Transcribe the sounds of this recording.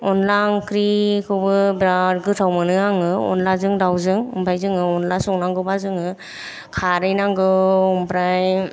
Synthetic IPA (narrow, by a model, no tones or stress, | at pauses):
ɔnlaŋkʰɾikʰɯwbɯbɾaɾɡɯtʰawmɯnɯaŋɯɔ̰nlazɯŋdawzɯŋɔ̰mpʰajzɯŋɯɔnlasɔŋnaŋɡɯbazɯŋɯ | kʰaɾɯjnaŋɡɯɔmpɾaj